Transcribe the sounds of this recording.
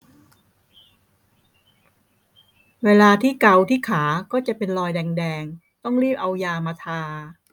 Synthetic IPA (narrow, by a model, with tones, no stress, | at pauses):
weː˧laː˧t̪ʰiː˥˩ka˧wt̪ʰiː˥˩kʰaː˩˦kɔː˥˩t͡ɕa˨˩ʔpe˧nlɔː˧jdɛː˧ŋdɛː˧ŋ | t̪ɔ˥˩ŋɾiː˥˩p̚ʔa˧wjaː˧maː˧t̪ʰaː˧